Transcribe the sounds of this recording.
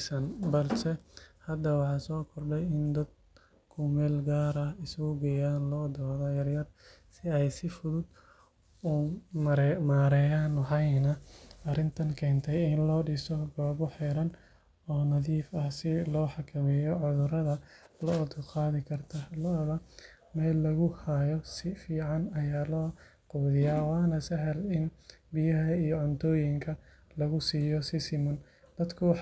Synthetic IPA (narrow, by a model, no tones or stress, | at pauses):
sɐnbɐlsɛhɐd̪ɐwɑħɑːsɔːkʰɔrɖɛjɪnd̪ɐd̪̚ | kʰʊmɛːlɡaːɾɐɪsɣʊɡɛjaːnlɔːd̪ɔːðɐjɐrjɐr | sɪɛjsɪfʊðʊd̪ | ʊmɾmaːɾɛːjaːnɑħɑjnɐɐɾɪnt̪ʰɐŋkʰɛːnt̪ʰɛjɪnlɔːɖisɔɡɔːβʊħiːɾɐn | ɔːnɐðiːfɐhsɪlɔːħɑkʰɐmɪjɔʕʊðʊɾɐðɐlɐɔt̪qɑːðɪkʰɐrt̪ʰɐlɔβɐ | mɛːlːɐɣʊhajɔsɪfiːʕɑnɐjaːlɔː | quːðɪjaːwɑːnɐsɐɦɐlɪnbɪjɐɦɐijɔʕʊnt̪ʰɔːjɪŋkʰɐ | lɐɣʊsiːjɔsɪsɪmʊn | d̪̥ɐd̪kʰʊw